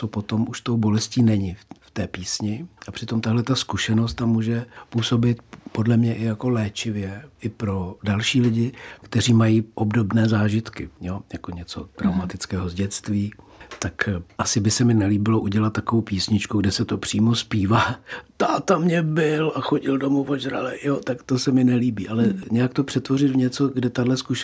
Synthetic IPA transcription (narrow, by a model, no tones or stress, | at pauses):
sopo̞t̪o̞mʔuʃt̪owbo̞lɛsciːnɛɲɪft̪ɛːpiːsɲɪʔapr̥ɪt̪o̞mt̪aɦlɛt̪askuʃɛno̞st̪ːamuːʒɛpuːso̞bɪt̪po̞dlɛmɲɛʔɪjako̞lɛːt͡ʃɪvjɛʔɪpɾo̞dalʃiːlɪɟɪkt̪ɛr̝iːmajiːʔobdo̞bnɛːzaːʒɪt̪kɪjo̞jako̞ɲɛt͡so̞t̪ɾawmat̪ɪt͡skɛːɦo̞zɟɛt̪t͡st̪viː | t̪akʔasɪbɪsɛmɪnɛliːbɪloʔuɟɛlat̪̚ːakovowpiːsɲɪt͡ʃkuɡdɛsɛt̪o̞pr̥iːmospiːvaːt̪aːt̪amɲɛbɪlaxo̞ɟɪldomovoʒɾa̰lɛjot̪akt̪osɛmɪnɛliːbiːʔalɛɲɛjakt̪o̞pr̝̥ɛt̪vo̞rɪt̪vɲɛt͡so̞ɡdɛt̪adlɛskuʃ